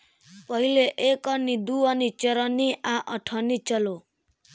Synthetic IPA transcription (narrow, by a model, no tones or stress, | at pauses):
pʌɦileʔekɔnid̪uʌnit͡ʃʌɾɔniʔaʔʌʈʰɔnit͡ʃʌlo